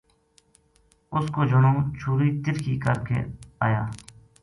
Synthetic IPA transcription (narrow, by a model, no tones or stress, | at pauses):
ʊskoːd͡ʒʊnõːt͡ʃʰuːɾiːt̪ɪɾkiːkəɾkḛːaːjaː